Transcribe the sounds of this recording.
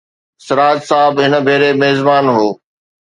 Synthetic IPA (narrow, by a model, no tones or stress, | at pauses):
sɪɾaːd͡ʑsaːɦɪbɦɪnə̆bʱeːɾemeːzbaːnɦoː